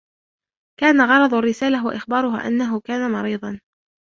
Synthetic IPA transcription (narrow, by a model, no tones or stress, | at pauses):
kaːnaɣɑɾˤɑd̪ˤarːɪsaːlawa̰ʔɪxbɑːɾʊɦa̰ːʔa̰nːaɦʊkaːnamɑɾiːðˤɑn